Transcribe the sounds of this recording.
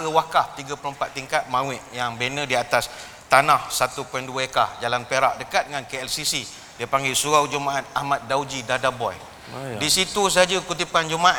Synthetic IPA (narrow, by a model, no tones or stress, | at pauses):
əwakaht̪iɡapələmpat̪ːiŋkat̪̚mãwɪʔjaŋbenə̃diat̪as | t̪anahsat̪upɔɛnduəekahd͡ʒalanpeɾaʔ̚dəkat̪̚əŋankeɛlsisi | diəpaŋɡɪlsuawd͡ʒumaʔat̪̚ahmat̪̚dawd͡ʒidadabɔj | disit̪us̬aad͡ʒəkut̪̬ipand͡ʒumaʔ